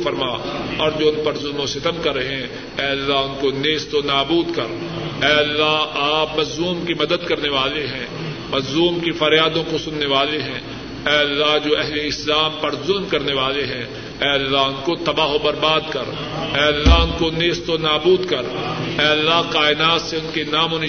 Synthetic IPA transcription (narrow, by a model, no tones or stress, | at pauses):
fɐɾmaːɔːɾd͡ʒoːʊnpɐɾzʊlmõsɪt̪əmkɐɾːɐɦeɛ̃ | ɛːɐlːaɦʊnkoneːst̪onaːbuːd̪kɐɾ | ɛːɐlːaɦaːpmɐzuːmkimɐd̪əd̪kɐɾneʋaːleɦɛ̃ː | mɐzuːmkifɐɾjaːd̪õkosʊnːeʋaːleɦɛ̃ː | ɛːɐlːaɦd͡ʒoːʔɛɦleɪslaːmpɐɾzʊlmkɐɾneʋaːleɦɛ̃ | ɛːɐlːaɦʊnkot̪ɐbaːɦobɐɾbaːd̪kɐɾ | ɛːɐlːaɦʊnkoneːst̪onaːbuːd̪kɐɾɛːɐlːaɦqaːɪnaːt̪seʊnkenaːmʊn